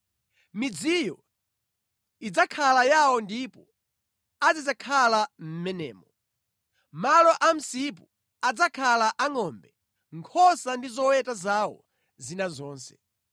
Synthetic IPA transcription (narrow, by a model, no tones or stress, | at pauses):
mid͡zijɔ | id͡zakʰalajawɔndipɔ | ad͡zid͡zakʰalam̩mɛnɛ̰ːmɔ | malɔʔam̩sip̬u | ad͡zakʰalaʔaŋɔmbɛ | ŋkʰɔsandizɔwɛtazawɔ̰ | zinazɔːnsɛ̥